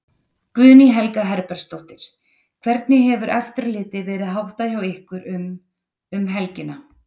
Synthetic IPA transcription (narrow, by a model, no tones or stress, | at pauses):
kvʏðniɦɛlkaɦɛɾpɛɾ̥st̪owht̪ɪɾ̥ | kʰvɛɾt̪nɪɦɛvʏɾʔɛft̪ʏɾlɪːt̪ɪvɛːɾɪðɦawht̪açawehkvʏɾm | ʏmɦɛlcɪna